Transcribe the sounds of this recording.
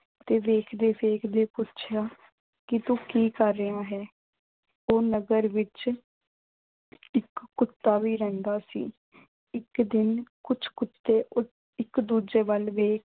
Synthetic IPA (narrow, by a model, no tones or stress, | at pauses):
t̪eːʋeːkʰd̪eːʋeːkʰd̪eːpʊtːt͡ʃʰjaː | kɪt̪ũːkiːkəɾːəaːɦɛː | oːnəɡəɾʋɪt͡ʃ | ɪkːʊt̪ːaːʋiːɾɛ̃ːnd̪aːsḭː | ɪkd̪ɪnkʊt͡ʃʰkʊt̪ːeːʊ | ɪkd̪uːd͡ʒeːʋəlʋeːkʰ